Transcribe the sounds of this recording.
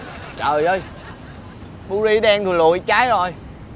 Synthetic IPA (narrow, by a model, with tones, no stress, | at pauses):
t͡ɕəː˨˩jʔəː˨˧j | ɓu˧zi˧ɗɛ˧ŋt̪ʰɨ˨˩lṵ˨˧˨əjt͡ɕaː˨˦jzɔ˨˩j